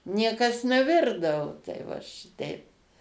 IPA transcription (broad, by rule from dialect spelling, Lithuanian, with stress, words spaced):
ˈnʲiɛkɐs nʲɛˈʋʲɪrdɐʋoː tɐɪ ˈʋɐ ʃʲɪˈtʲɛɪp